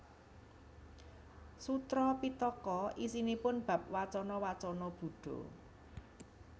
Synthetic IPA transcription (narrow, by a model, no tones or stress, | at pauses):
sut̪ɾɔpit̪ɔkɔʔisinipʊnb̥ä̤p̚wat͡ʃɔnɔwat͡ʃɔnɔb̥ṳɖ̥ɔ̤̰